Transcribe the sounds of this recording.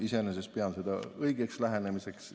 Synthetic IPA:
isenese̞s̚peɑnsed̪̥ɑɤjɡe̞kslæɦene̞mise̞ks

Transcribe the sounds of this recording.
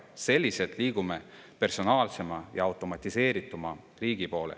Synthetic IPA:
se̞lʲːise̞t̪ˑliːɡ̥ume | pe̞rso̞nɑːlse̞mɑjɑɑwt̪ːˑo̞mɑt̪ʲːˑise̞ːɾit̪ːˑumɑ | riːɡ̥ipo̞ːlḛ

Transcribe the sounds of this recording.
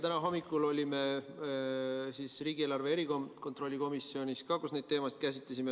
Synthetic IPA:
t̪ænɑɦo̞mːikːˑulo̞lʲime̞ | sisriːɡ̥ielɑrve̞eɾikomko̞t̪ɾro̞lʲːiko̞misːio̞nʲiskɑkusne̞jd̪̥̚t̪e̞ːmɑsit̪̚kæs̬it̪les̬ʲime

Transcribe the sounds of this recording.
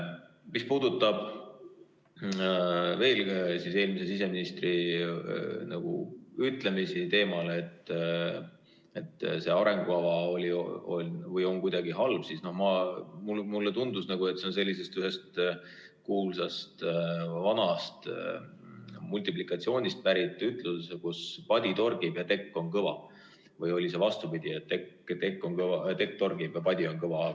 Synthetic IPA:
mispuːd̪̥ut̪ːˑɑb̥ | ve̞ːlsise̞ːlmis̬e̞sise̞minist̪ri | nɑɡ̥ṵyt̪ˑlemisit̪e̞ːmɑlet̪ː | et̪ːˑse̞ɑɾe̞ŋɡ̥uɑvɑo̞lʲio̞lʲnvɤjo̞ŋkujd̪ɑɡ̥iɦɑlb̥sisno̞hmɑmumulːet̪und̪usnɑɡue̞t̪se̞o̞ns̬e̞lʲːise̞st̪yɦe̞st̪ | kuːlsɑst̪vɑnɑst̪ | mulʲt̪iplikˑɑt̪sio̞ːnʲist̪̚pæɾit̪ˑːyt̪lussekuspɑd̪̥ʲit̪o̞rɡibjɑt̪e̞kːo̞nkɤvɑ | vɤjo̞lʲis̬e̞vɑst̪ubid̪̥ʲiet̪ːekːt̪ekːo̞ŋkɤɑt̪e̞k̚ːt̪o̞rɡ̥ib̥jɑpɑd̪ʲio̞ŋkɤvɑ

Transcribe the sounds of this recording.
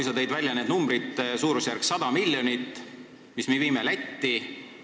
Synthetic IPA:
jsɑt̪ejd̪vælʲjɑne̞ːd̪numbɾit̪suːɾusjærksɑd̪̥ɑmilʲjo̞nit̪ː | mismeviːmelæt̪ːi

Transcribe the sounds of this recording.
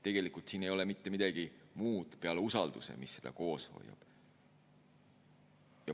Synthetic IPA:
t̪e̞ɡ̥e̞likˑult̪siːne̞jo̞le̞mit̪ːe̞mid̪̥ɑɡ̥imuːd̪̥peɑleusɑld̪̥usḛmisːe̞d̪̥ɑ̰ko̞ːsho̞̰jːɑ̰b̥ | jɑ

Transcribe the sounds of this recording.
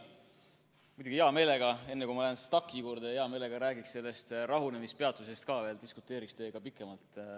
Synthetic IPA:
mujd̪ʲuɡ̥ieɑme̞ːle̞ɡ̥ɑe̞nːekumɑlæenst̪ɑkːˑikuːɾd̪̥eeɑme̞ːle̞ɡ̥ɑɾæːɡiksse̞lːe̞st̪rɑɦune̞mispe̞ɑt̪ˑuse̞st̪̚kɑːve̞ːld̪̥iskut̪ːˑe̞ːɾikst̪e̞ːɡ̥ɑpikːˑe̞mɑlt̪ˑ

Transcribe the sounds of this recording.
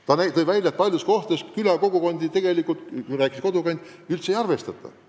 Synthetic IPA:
t̪ɑnæjt̪ɤjvælʲjɑet̪̚pɑlʲjusko̞ht̪eskylɑko̞ɡ̥uko̞nʲd̪it̪eɡ̥e̞likult̪kujræːkːˑisko̞d̪ukɑnʲd̪̥ylt̪sejɑrve̞st̪ɑt̪ːˑɑ̰

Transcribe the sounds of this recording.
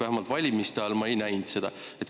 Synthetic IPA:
æhemɑlt̪vɑlʲimist̪eɑlmɑejnæjnd̪se̞d̪̥ɑ̰ | e̞t̪

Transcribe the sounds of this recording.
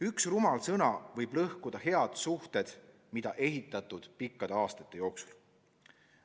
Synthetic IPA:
yksrumɑlsɤnɑvɤjb̥lɤhkud̪̥ɑhe̞ɑd̪̥suht̪e̞d̪̥ | mid̪̥ɑʔe̞ɦit̪ːˑɑt̪ːˑud̪̥pikːɑd̪̥eɑːst̪ɑt̪ˑːe̞jo̞ːksu̥l

